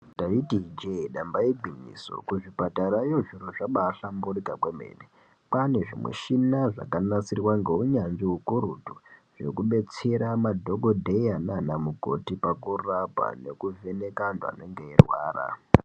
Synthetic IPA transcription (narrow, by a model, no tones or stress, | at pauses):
taitid͡ʒeɗambaiɡʱinḭso̰kuʐipataɾajoʐiɾoʐaɓaːɬamburikakwemḛːne | pane̞ʐimwḛʃinaʐa̰kanasirwaŋɡe̞uɲanʐiukuɾutuʐ̥e̞̰kuɓe̞t͡se̞ɾamadʱo̞ɡodʱeananamuko̞̰tipakurabʱa̰ne̞kuve̞ne̞kanda̰neŋɡeirwa̰ːra̰